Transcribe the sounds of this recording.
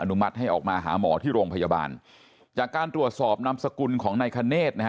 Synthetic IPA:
ʔa˧nu˦˥ma˦˥t̪̚ha˥˩jʔɔː˨˩k̚maː˧ɦa̰ː˩˦mɔ̰ː˩˦t̪ʰiː˥˩ɾoː˧ŋpʰa˧ja˧ba̰ː˧n | t͡ɕaː˨˩kːaː˧nt̪ɾu˨˩ət̪̚sɔː˨˩p̚na˧msa˧ku˧nkʰɔː˩˦ŋna˧jkʰa˧neː˥˩t̪̚na˦˥k

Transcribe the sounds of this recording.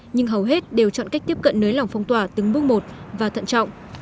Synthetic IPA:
ɲɨ˧ŋɦə˨˩wɦe˦˥t̚ɗe˨˩wt͡ɕɔ̰˧˨nka˦˥jk̚t̪i˦˥əp̚kə̰˧˨nnəː˨˦jla˨˩wŋ͡mfɔ˧wŋ͡mt̪waː˧˨˩t̪ɨ˨˦ŋɓɨ˦˥ək̚mo˨˩t̚vaː˨˩t̪ʰə̰˧˨nt͡ɕɔ̰˧˨wŋ͡mʔ

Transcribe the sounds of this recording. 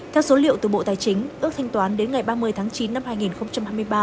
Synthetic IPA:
t̪ʰɛ˧wso˨˦lḭ˧˨əwt̪ɨ˨˩ɓo̰˧˨t̪aː˨˩jt͡ɕï˨˦ŋ̟ʔɨ˦˥ək̚t̪ʰa˧jŋ̟t̪waː˨˦nɗe˨˦nŋa˨˩jɓaː˧mɨ˧əjt̪ʰaː˨˦ŋt͡ɕi˨˦nːa˧mhaː˧jŋi˨˩nxə˧wŋ͡mt͡ɕa˧mhaː˧jm˧əjɓaː˧

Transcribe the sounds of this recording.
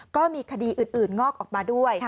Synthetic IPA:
kɔː˥˩miː˧kʰa˧diː˧ʔɯː˨˩nʔɯː˨˩nŋɔː˥˩k̚ʔɔː˨˩k̚maː˧du˥˩əj

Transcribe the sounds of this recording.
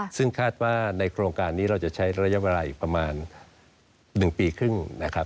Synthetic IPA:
sɯ˥˩ŋkʰaː˥˩t̪̚waː˥˩na˧jkʰɾoː˧ŋkaː˧nːiː˦˥ɾa˧wt͡ɕa˨˩t͡ɕʰa˦˥jɾa˧ja˦˥wa˧laː˧˩ʔiː˨˩k̚pɾa˧maː˧n | ɯ˨˩ŋpiː˧kʰɯ˥˩ŋna˦˥kʰɾa˦˥p̚

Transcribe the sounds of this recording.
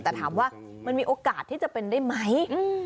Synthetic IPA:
t̪ɛː˨˩t̪ʰaː˩˦mwaː˥˩ma˧nmiː˧ʔoː˧kaː˨˩t̪ʰːiː˥˩t͡ɕa˨˩pe˧ndaː˥˩jma˦˥jɯ˧

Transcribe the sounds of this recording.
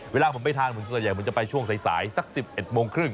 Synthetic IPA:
weː˧laː˧mʰɯ˩˦nma˥˩jt̪ʰaː˧ŋmʰ˩˦nssa˧˩ja˨˩mɯ˩˦nt͡ɕa˨˩pa˧jt͡ɕʰu˥˩əŋsa˨˩˦jsa̰ː˩˦jsa˦˥k̚si˨˩p̚ʔe˨˩t̪̚moː˧ŋkʰɾɯ˥˩ŋ

